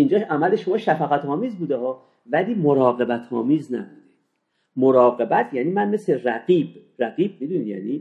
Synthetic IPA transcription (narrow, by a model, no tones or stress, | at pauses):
ind͡ʒɒːæmæleʃomɒːʃæfæɣæt̪ʰɒːmiːzbuːd̪ehɒː | væliːmoɾɒːɣe̞bæt̪ʰɒ̰ːmiːznæ̰buːd̪e | moɾɒːɣe̞bæt̪ʰjæniːmænme̞sleræɡiːbɾæɡiːb̚mid̪unijæ̰ːniː